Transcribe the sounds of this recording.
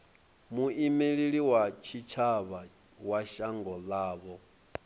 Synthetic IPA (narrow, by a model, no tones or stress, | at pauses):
muʔimeɺiɺiwat͡ʃʰit͡ʃʰaβa | waʃaŋɡɔlaːβɔ